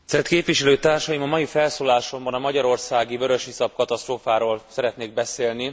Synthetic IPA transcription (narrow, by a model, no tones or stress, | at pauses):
sɛrt̪keːpvʋiʃɛløːt̪aːrʃɒjimɒmɒjifɛlsoːlaːʃo̞mbɒnɒmɒɟɒɾo̞rsaːɡivøɾøʃisɒp̚kɒt̪ɒst̪roːfaːɾoːlsɛɾɛt̪neːɡ̚bɛseːlni